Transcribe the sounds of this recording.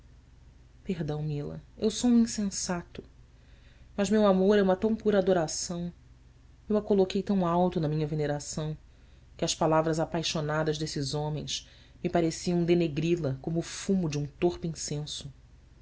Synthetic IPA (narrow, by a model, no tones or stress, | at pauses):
peɦd̪ɐ̃w̃milɐ̰ewsoũĩsẽsat̪ʊ | mɐzmewamoɾɛumɐt̪ɐ̃w̃puɾad̪oɾasɐ̃w̃ | ewɐkolokejt̪ɐ̃w̃awt̪ʊnɐmĩɲɐveneɾasɐ̃w̃ | kɪɐspalavɾɐzapajʃonad̪ɐʒd̪esɪzõmẽj̃s | mɪpaɾesiɐ̃w̃d̪eneɡɾilɐkõmʊːfumʊd͡ʒɪũt̪oχpʊĩsẽsʊ